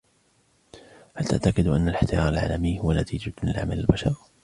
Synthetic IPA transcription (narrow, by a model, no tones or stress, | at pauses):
halt̪aʔt̪akɪd̪ʔanːalɪħt̪ɪjɑːɾˤalʕa̰ːlamɪjhʊwanat̪ʰiːd͡ʒalɪ̰lʕa̰malalbaʃɑɾˤ